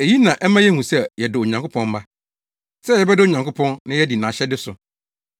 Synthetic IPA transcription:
e˨ji˦nã˨ʔɛ˦mã˦jɛ˦hũ˨sɛ˦˨jɛ˨dɪ˨o˨ɲã˨ŋkʊ˦pʰɔ̃˦m̩˦ba˦ | sɛ˦jɛ˨bɛ˦dɪ˦o˨ɲã˨ŋkʊ˦pʰɔ̃˦nnɪ̃˦jɛ˦di˨nãː˨ɕɛ˦dɪ˦sʊ˨

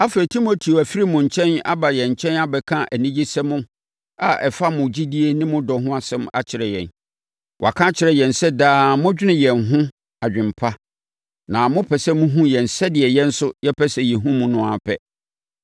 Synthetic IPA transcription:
a˦fi˨tʰi˦mo˨tʰi˨o˨æ˨fi˦ɾi˦mʊ̃˨ɲ̩˨t͡ɕʰɛ̃˦na̰˦ba˨jɛ̃˨ɲ̩˨t͡ɕʰɛ̃˦na˦bɛ˨kʰã˦ʔæ˨nĩ˦d͡ʑi˦sɛ˦mʊ̃˦ | a˨ʔɛ˨fa˦mʊ̃˨d͡ʑi˦di˦e˦nɪ̃˦mʊ̃˦dɔ˨ɦʊ̃˦a˨sɛ̃˦ma̰˨t͡ɕʰɪ˨ɾɛ˨jɛ̰̃˨n | wʔkʰã˦t͡ɕʰɪ˨ɾɛ˦jɛ̃˨n̩˨sɛ˦daː˦mʊ̃˦d͡ʑᶣɪ˦nɪ̃˦˨jɛ˨nɦʊ̃˦ | a˨d͡ʑᶣɪ̃˨m̩˨pʰa˦ | nã˨mʊ̃˦pʰɛ˨sɛ˦mũ˦ɦũ˦jɛ̃˨n˨sɛ˦dɪ˨ɛ˨jɛ̃˦n̩˦sʊ˦jɛ˦pʰɛ˦sɛ˨jɛ˨ɦũ˦mũ˨nʊ̃˨a˨pʰɛ˦

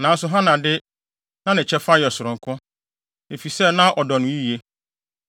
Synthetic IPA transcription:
nã˨n̩˦sʊ˨ɦã˦nã˨dɪ˦ | nã˦nɪ̃˨t͡ɕʰɛ˦fa˦jɛ˨sʊ˨ɾʊ̃˨ŋ˨kʰʊ̃˦ | e˨fi˨sɛ˦˨nã˦ʔɔ˨dɔ˨nʊ̃˨˦i˦i˨e˦

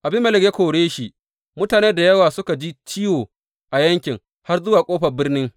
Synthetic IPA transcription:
ʔa˨bɪ˦mɐ˨lɪ˨kje˦kʷoː˨ɽeː˦ʃi˨ʔ | mʊ˦taː˨neː˦da˨jɐ˦waː˨sʊ˦ka˨d͡ʒiː˦t͡ʃi˦woː˨ | ʔa˨jɐ˦ŋkʲɪ˨ŋ | ha˦rzʊ˦waː˨kʷʼoː˦ɸɐ˨bɪ˦rnɪ˦ŋ

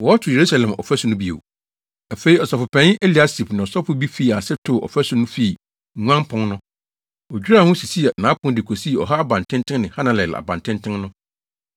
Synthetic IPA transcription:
wɔ˨˦ɔ˦tʰʊ˨je˨ɾu˦sa˨lɛ̃˨mʔɔ̰˨fæ˦sʊ̃˨˦nʊ̃˦bi˦˨ḛ˨ | a˨fe˨˦i˦ɔ˨sɔ˨fʊ˨pʰɛ̃˦n˦ʔe˦li˨a˦si˨pnɪ̃˨ɔ˨sɔ˦fʊ˦bi˦fi˦˨a˨sɛ˦tʰo˨ɔ̰˨fæ˦sʊ˨˦nʊ̃˦fi˦˨ | ŋʷã˦mpʰʊ̃˦nnʊ̃˦ | ɔ˨d͡ʑᶣi˦ɾa˦˨hʊ̃˦si˨si˦˨nã˨˦pʊ̃˦n˦dɪ˨kʰo˨si˦˨ɔ̰˨ɦa˦a˦bã˨n˨tʰɪ̃˦ntʰɪ̃˦nnɪ̃˨hã˦nã˨lɛ˨la̰˨bã˨ntʰɪ̃˦ntʰɪ̃˦nnʊ̃˦

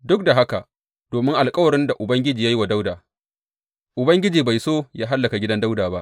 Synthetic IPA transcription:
dʊ˦k̚da˨ɦa˦ka˨ | d̥oː˨mɪ˦ŋʔa˨lkʼɐ˦wɐ˨ɾɪ˦nda˨ʔʊ˨bɐ˦ŋɡʲɪ˦d͡ʒiː˨jaː˦ji˦wa˨da˦wdaː˨ | ʔʊ˨bɐ˦ŋɡʲɪ˦d͡ʒiː˨ba˨jsoː˦jaː˦ɦa˦lːɐ˨ka˨ɡʲɪ˦dɐ˦nda˦wdaː˨ba˦ʔ

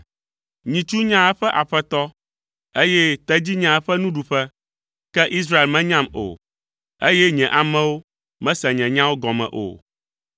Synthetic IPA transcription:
ɲĩ˨t͡ʃu˦ɲã˦ɛ˦ɸɛ˦ʔa˨ɸɛ˦t̪ɔ˦ | e˦jɛ˦t̪ɛ˦d͡ʑi˦ɲã˦ɛ˦ɸɛ˦nũ˦ɖu˨ɸɛ˦ | kɛ˦ʔi˦s̬ɾa˦e˨lmɛ̃˦ɲã˦mo̰˨ | e˦jɛ˦ɲɛ̃˨ʔa˨mɛ̃˦wo˦ | mɛ̃˦sɛ˨ɲɛ̃˨ɲã˦wo˦ɡɔ˨mɛ̰̃˨ʔo̰˨

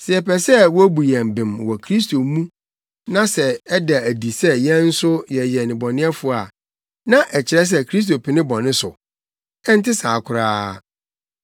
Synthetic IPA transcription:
sɪ˨ɛ˨pɛ˨sɛ˦wɔ˦æ˦bu˨jɛ̃˨m˨bɪ̃˨mwɔ˨kʰɾi˦stʰo˨mũ˦ | nã˦sɛ˨ɛ˦da˨æ˨di˨sɛ˦jɛ̃˦n̩˦sʊ˦jɛ˨jɛ˨nɪ̃˨bɔ˨nɪ̃˦ɛ˦fʊ˦˨a̰˨ | nã˦ʔɛ˨t͡ɕʰɪ˨ɾɛ˦s̬ɛ˦kʰɾi˦s̬to˨pʰɪ˨nɪ̃˦bɔ˨nɪ̃˦sʊ˨ | ɛ˦n̩˦tɪ˦saː˨kʰʊ˨ɾaː˦

